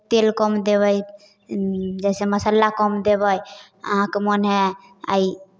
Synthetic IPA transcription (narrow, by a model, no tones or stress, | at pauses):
t̪elkɔmd̪eβəj | d͡ʒɛseməsəlːakɔmd̪ebəj | əɦãkemonɦe | a̰i